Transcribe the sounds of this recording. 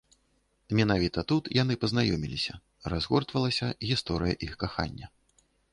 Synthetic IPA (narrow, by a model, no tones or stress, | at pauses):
mʲɛnavʲit̪ɐt̪ut̪jan̪ɨpɐznajɔmʲilʲisʲɐ | razɣɔrt̪vɐlˠɐsʲɐɣʲist̪ɔɾɨjɐʔixkaxa̰nʲːɐ